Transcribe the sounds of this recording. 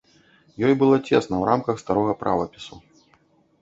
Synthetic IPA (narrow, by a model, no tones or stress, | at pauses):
jɔjbɨlˠɔt͡sʲesnɐwɾamkɐxst̪aɾɔɣɐpɾʔa̰vɐpʲisu